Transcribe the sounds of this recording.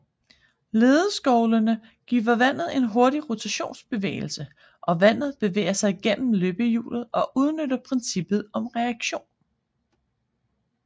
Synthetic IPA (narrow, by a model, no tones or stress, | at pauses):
le̝ːðˠəsɡ̥ɒʊlənə | ɡ̥ḭːʋɐʋæn̰ð̩ˠe̝nɦo̝ɐɾ̥iʁo̝t͡sʰæɕo̝̰ːnsb̥e̝ʋḛːɪl̩sə | ʔɒ̽ʋæn̰ð̩ˠb̥e̝ʋḛːɐsɑ̈ɪɡ̥en̰m̩løːb̥əjṵːlð̩ˠɒ̽ʔuð̞ˠnød̥ɐpʰʁɛnsib̥ð̞̩ˠɒ̽mʁɛæɡ̥ɕo̝̰ːn